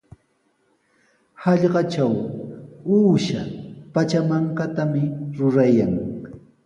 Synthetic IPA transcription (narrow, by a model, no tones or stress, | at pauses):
hɑʎɢɑt͡ʃaw | uːʃapat͡ʃamaŋkat̪amɪɾʊɾajaŋ